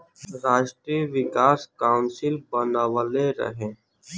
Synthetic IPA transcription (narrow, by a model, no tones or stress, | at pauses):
ɾaːʃʈɾiʋɪkaːskaːʊnsɪlbənaːʋəleɾə̰ɦẽː